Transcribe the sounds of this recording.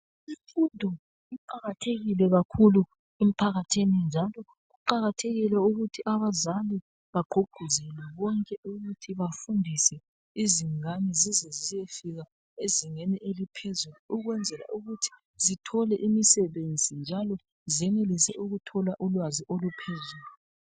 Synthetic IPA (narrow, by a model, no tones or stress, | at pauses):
ifundʱɔ | iǃaɣatʰeɣilɛɣakʰulu | em̩pʰaɣatʰinind͡ʒʱalɔ | ɣuǃaɣatʰeɣilɛuɣutʰiʔaβazali | βaɡ͡ǃʱoɡ̥ʱuzɛlɛβɔŋkʼɛʔuɣutʰiβafundʱisɛ | iziŋanɛzizɛzijefiɣa | eziŋeniʔelipʰezuluuɣwɛnd͡zʱɛla̰ʔuɣutʰi̥ | zitʰɔlɛʔimisɛβend͡zʱind͡ʒʱalɔ | zɛnelisɛ̰ʔuɣutʰɔlaʔulwaziʔolupʰezuːlu